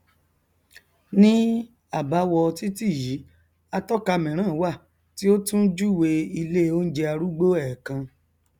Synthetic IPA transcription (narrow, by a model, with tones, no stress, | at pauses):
nĩ˦ | a˦˨ba˨˦wɔ˧ti˦ti˦˨ji˨˦ | a˧tɔ˦ka˧mɛ̃˨ɾ̃ã˦˨˦wa˦˨ | ti˦o˦tũ˦d͡ʒu˦˨we˧i˧le˦˨o˦n̩˦d͡ʒe˧a˧ɾu˦ɡ͡bo˦ɛ˦˨kã˧